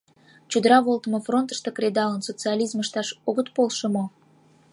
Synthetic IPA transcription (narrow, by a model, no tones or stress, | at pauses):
t͡ɕud̪əɾɑβolt̪əmofront̪ə̥ʃt̪okrʲed̪ɑlənsot͡sɨɑlʲizməʃt̪ɑʃoɣət̪polʃomo